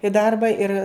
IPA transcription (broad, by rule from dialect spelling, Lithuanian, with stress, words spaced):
ɪ ˈdɐrbɐ ɪr